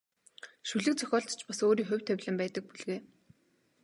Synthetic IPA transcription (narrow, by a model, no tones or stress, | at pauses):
ʃuɮɘ̆k̚t͡sʰœ̥xʲɔːɬt̪t͡ɕpasoːɾiːxʊ̟wʲt̪ʰːæwʲɮɘ̆mpæːt̪ə̆k̚puɮɣeː